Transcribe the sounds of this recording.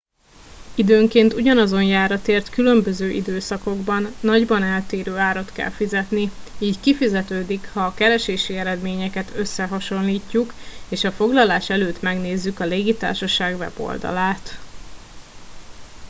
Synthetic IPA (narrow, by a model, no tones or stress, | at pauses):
id̪øːŋkeːnt̪uɟɒnɒzo̞njaːɾɒt̪eːrt̪kylø̞mbø̞zøːʔḭd̪øːsɒko̞ɡbɒnːɒɟbɒnɛlt̪eːɾøːaːɾot̪kɛ̰lfizɛt̪niiːckifizɛt̪øːd̪ikhɒːkɛɾɛʃeːʃiɛɾɛd̪meːɲɛkɛt̪ʰø̞sːɛɦɒʃo̞nliːcːukeːʃɒfo̞ɡlɒlaːʃɛløːt̪mɛɡneːzːykɒleːɡit̪a̰ːrʃɒʃaːɡvɛ̰bo̞̰ld̪ɒ̰laːt̪